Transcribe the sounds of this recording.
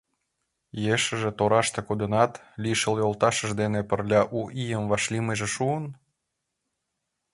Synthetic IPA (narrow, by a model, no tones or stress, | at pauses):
jeʃə̆ʒĕt̪oɾɑʃt̪ĕkud̪ənɑt̪ | lʲiʃəljolt̪ɑʃə̆ʒd̪enepərlʲɑʔuʔijəmvɑʃlʲimeʒeʃuən